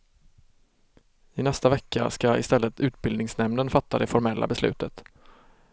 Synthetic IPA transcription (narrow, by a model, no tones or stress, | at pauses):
ɪnɛst̪avɛkːa̰skaɪ̰st̪ɛlːət̪ʉ̟ːt̪̚bɪld̪nɪŋsnɛmnənfat̪ːad̪ɛfɔɾmɛlːʔa̰bɛslʉ̟̰ːt̪ət̪